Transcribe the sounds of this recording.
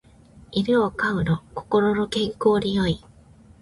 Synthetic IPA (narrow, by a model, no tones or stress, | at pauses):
iɾoːkaɯ̟noko̞̥ko̞ɾo̞no̞kẽ̞ŋko̞ːɾʲijo̞i